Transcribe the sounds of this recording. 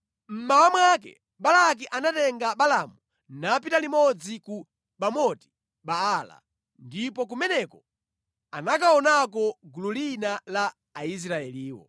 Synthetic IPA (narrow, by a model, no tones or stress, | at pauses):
m̩mawamwak̬ɛ̰ | ɓalak̬iʔanatɛŋɡaɓalamu | nap̬italimɔd͡ziku | ɓamɔti̥ | ɓaːla̰ | ndipɔk̬umɛnɛkɔ | anakaɔnak̬ɔɡululinalaː | is̬ɾaɛliːwɔ̰